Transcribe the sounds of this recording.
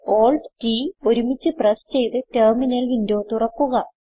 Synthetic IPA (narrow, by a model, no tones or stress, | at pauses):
o̞ːɭɖtiːo̞ɾumit͡ɕːɨprɐst͡ɕe̞jt̪ɨterminɐlindo̞ːt̪urɐkːuɣɐ